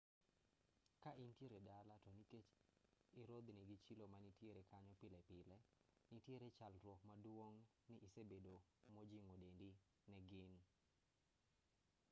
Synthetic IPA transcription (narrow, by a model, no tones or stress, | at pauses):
kaʔintjeɾedalatɔniket͡ʃɪɾod̪nɪɡɪt͡ʃilomanitjeɾɛkaɲɔpɪlɛpɪlɛnɪtjeɾet͡ʃalɾwɔkmadwoŋ | nɪʔːsebedomod͡ʒiŋodendi | nɛɡɪn